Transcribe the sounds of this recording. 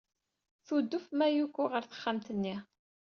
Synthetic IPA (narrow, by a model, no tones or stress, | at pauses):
θud̪ːʊfmæjukʷːʊʁəɾθə̥χːamt̪ənːi